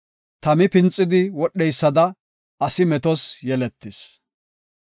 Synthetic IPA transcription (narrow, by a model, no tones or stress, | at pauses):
t̪ɐmɪpɪnt͡sʼːɪd̪ɪwɔɗːɛjsːɐd̪ɐ | ɐsɪmɛt̪ɔsjɛlɛt̪ːɪs